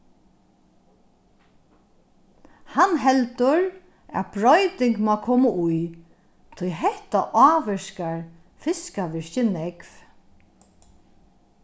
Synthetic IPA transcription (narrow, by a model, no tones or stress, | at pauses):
hanɦɛlt̪ʊɹ | æ̰bɹɔjt̪ɪŋkmaːkʰɔːmʊʊj | t̪ʰʊjɦɛht̪aʔaːʋɪʃkaɹ | fɪskaʋɪɹçɪnɛkv